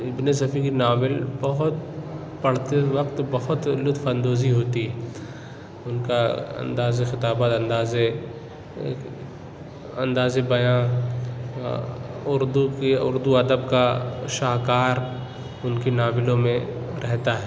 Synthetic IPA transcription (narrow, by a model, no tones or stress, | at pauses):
ɪbnes̬ɐfʰikinaːbɪlbɐɦʊt̪ | pɐɽ̤t̪eʋɐqt̪bɐɦʊt̪lʊt̪fɐ̃nd̪oːziɦoːt̪iɦɛ | ʊnkaɐ̰nd̪aːzexɪt̪aːbat̪ɐ̃nd̪aːze | ɐ̃nd̪aːzebɐjãː | ʊɾd̪ukeʊ̰ɾd̪uɐd̪əbkaʃaːɦkaːɾ | ʊnkinaːbɪlõmẽ | ɾʔɛɦt̪aɦɛː